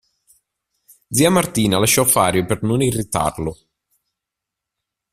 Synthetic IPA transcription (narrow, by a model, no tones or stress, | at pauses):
d̪ziamart̪iːnalaʃːɔfaːɾjopernʊnirit̪a̰rlʊ